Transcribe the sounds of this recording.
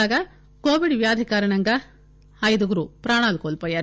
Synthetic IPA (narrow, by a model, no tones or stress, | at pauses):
aːɡɐ | koːʋiɖʋjaːd̪ʱikaːɾɐnɐŋɡɐ | ɐjd̪uɡɾupɾaːɳaːlkolpɐjɐɾ